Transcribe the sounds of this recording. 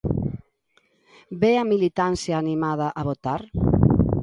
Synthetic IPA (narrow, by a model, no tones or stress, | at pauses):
beamilit̪ansjaːnimað̞aʔaβot̪aɾ